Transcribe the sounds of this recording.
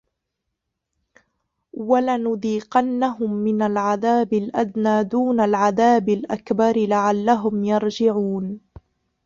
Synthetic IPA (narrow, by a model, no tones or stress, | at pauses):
walanʊd̪iːqɑnːaɦʊmːɪnalʕaðaːbɪlʔad̪naːd̪uːnalʕaðaːbɪlʔakbɑɾɪlaʕalːaɦʊmjɑɾˤd͡ʒɪʕuːn